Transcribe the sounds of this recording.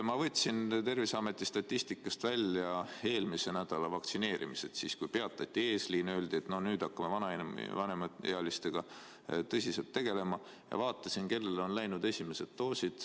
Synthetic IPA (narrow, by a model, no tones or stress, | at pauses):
mɑvɤ̞t̪ʲːˑsint̪e̞rvisɑme̞t̪ːˑist̪ɑt̪ʲːist̪ikːˑɑst̪vælʲjɑe̞ːlmise̞næd̪̥ɑlɑvɑkt̪sine̞ːɾʔḭmise̞t̪siːskujpe̞ɑt̪ːˑɑt̪ʲːie̞ːsliːnø̞ːld̪̥iet̪ːno̞hnyːd̪̥ɑkːɑme̞vɑnɑnvɑne̞mɑḛɑlist̪e̞ɡ̥ɑ | t̪ɤsʲise̞lt̪ːe̞ɡ̥e̞le̞mɑ | jɑ̰vɑːt̪ːˑɑsinke̞lːe̞lo̞nlæjnud̪̥e̞sʲime̞se̞d̪t̪ːoːsid̪̥